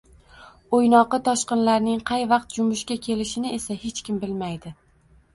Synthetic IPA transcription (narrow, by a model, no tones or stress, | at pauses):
ojnɒqɨt̪ʰɒʃqɨnlaɾnɪŋqʰɑjvɑq̚t̪̚d͡ʒʊmʊʃkʲakʲʰe̞lɪʃɪnɪesahe̞t͡ʃkʲɪmbɪlmajd̪ɪ